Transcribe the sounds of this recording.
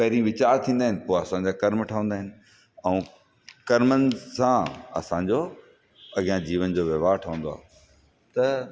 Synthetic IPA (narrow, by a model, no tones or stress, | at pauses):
pɐɦɾĩʋɪt͡ɕaːɾt̪ʰĩːn̆d̪aːɦɪ̃nɪpoːɐsãɲd͡ʑaːkɐɾmʈʰaʋə̃nd̪aːɦɪnɪ̆ | ɛ̃ː | kɐɾmənɪ̆sãɐ̰sãɲd͡ʑoː | ɐɠijãd͡ʑiːʋənd͡ʑoːʋjɐʋaːʈʰəʋə̃ːnd̪oa̰ːɦ | t̪ɐ